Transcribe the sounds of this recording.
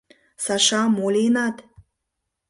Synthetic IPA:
sɑʃɑmolʲenɑt̪

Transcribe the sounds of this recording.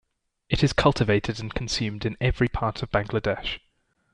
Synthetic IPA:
ɪtɪz̥kʰʌlˠtɪveɪtʰɪdə̃nkʰə̃nsjʉ̃ːmdɪ̃nɛvɹipʰɑˑtʰəvb̥ãŋɡlədɛʃ

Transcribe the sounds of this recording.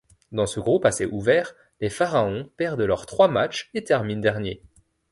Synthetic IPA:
d̪ɑ̃səɡʁupaseʔuvɛːʁ | lefaʁaɔ̃pɛʁd̪lœʁt̪χwamat͡ʃet̪ɛʁmind̪ɛʁnjḛ

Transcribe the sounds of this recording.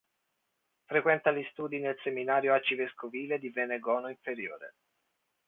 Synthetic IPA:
fɾekwɛnt̪alist̪uːd̪inelseminaːɾjoat͡ʃiveskoviːled̪iveneɡɔːnoiɱfeɾjoːɾḛ

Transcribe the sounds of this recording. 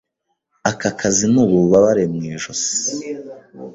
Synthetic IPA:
akakʰazinuβuβaβaɾemŋiːʒosi̥

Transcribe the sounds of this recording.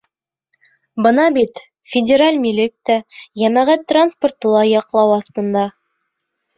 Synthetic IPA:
bɤnɑbit̪ | fʲɪdʲɪɾalʲmilɘk̚t̪æjæmæʁæt̪ːransport̪ɤ̆lˠɑjɑqlˠɑwɑθt̪ɤ̆nd̪ɑ

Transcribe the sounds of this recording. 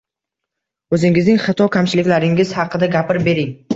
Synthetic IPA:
ɵzɪŋɪznɪŋχɑt̪ʰɒkʲʰamt͡ʃɪlɪkʲlaɾɪŋɪz̥hɑqɨd̪aɡʲapɪɾbe̞ɾɪŋ

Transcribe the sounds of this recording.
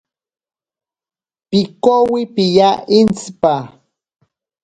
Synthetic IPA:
pikowipijaint͡spa

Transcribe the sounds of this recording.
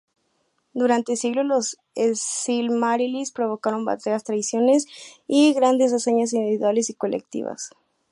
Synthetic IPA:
d̪uɾant̪esiɣlolos | eilmaɾilispɾo̞βo̞kaɾo̞mba̰t̪ɾeast̪ɾaisjo̞ne̞siɣɾand̪es̬aseɲas̬ind̪iβiðwale̞siko̞lḛk̚t̪ḭβa̰s

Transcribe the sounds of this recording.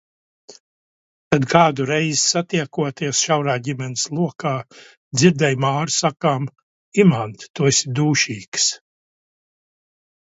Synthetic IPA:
t̪ad̪kaːd̪uɾɛjzsat̪iɛkuɔt̪iɛsʃawɾaːɟimɛnslˠuɔkaː | d̪ziɾd̪ɛjmaːɾsakaːm | imant̪t̪uɔesid̪uːʃiːks

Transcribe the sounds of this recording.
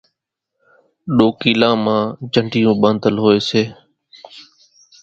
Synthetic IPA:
ɗoːkiːlãːmãːd͡ʒʱəɳɖʱɪjũːɓə̃nd̪əlɦoːeːseː

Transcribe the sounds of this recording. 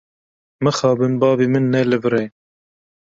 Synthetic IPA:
mɨxɑːbɨnbɑːbiːmɨnːɛlɨvɨɾe

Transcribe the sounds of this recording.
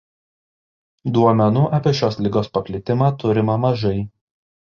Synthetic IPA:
d̪uɔmʲɛnuːʔɐpʲiɛʃʲoːslʲɪɡoːspɐpʲlʲɪt̪ʲɪmɑːt̪ʊɾʲɪmɑmɐʒɐɪ

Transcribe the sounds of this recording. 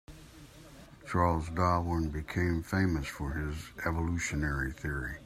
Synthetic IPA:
t͡ʃʰɑɹlˠzdɑwə̃nbɨkʰẽɪ̃ɱfẽɪ̃məsfə˞ɪzɛvəluʃɨnɛɹiθɪɹi

